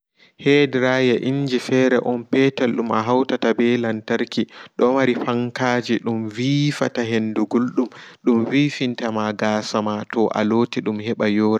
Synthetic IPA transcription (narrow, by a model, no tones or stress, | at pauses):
hɛdɾajaʔiɲd͡ʒifɛɾɛʔɔnpɛtalɗumaɦawtatabɛlantaɾkiɗɔwaɾifaŋkaːd͡ʒiɗumviːfataɦenduɡulɗumɗumvifintamaɡasamatɔʔa̰lotiɗumhɛɓajɔːɾa